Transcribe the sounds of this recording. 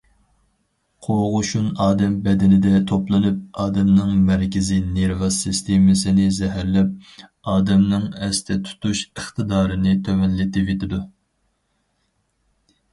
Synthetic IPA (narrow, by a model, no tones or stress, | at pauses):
qʰoʁʊʃunɑːd̪ɛmbɛd̪ɪnɪd̪ɛt̪ʰoplˠɨnɨp̚ɑːd̪ɛmnɨŋmæɾkʲɪzɪneɾvɑsɨst̪ʰemɪsɪnɪzɛɦæɾlɛp̚ | ɑːd̪ɛmnɨŋɛst̪ʰɛt̪ʰu̥t̪ʰuʃəχt̪ʰɨd̪ɑːɾɨnɨt̪ʰømɛnlɪt̪ɪvet̪ʰɪd̪u